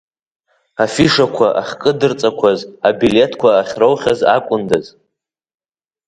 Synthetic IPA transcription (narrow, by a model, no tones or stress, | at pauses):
afiʂakʷʰaʔaχʲkʼɨdɨrt͡sʼakʷʰazabile̞tʰkʷʰaːχʲrowχʲaza̰kʷʼʊndaz